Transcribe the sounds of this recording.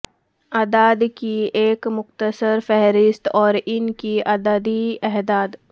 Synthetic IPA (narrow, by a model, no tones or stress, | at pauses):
ad̪aːd̪kieːkmʊxt̪əsəɾfɛɦɾɪst̪ɔːɾɪnkiɐd̪aːd̪iɛɦd̪aːd̪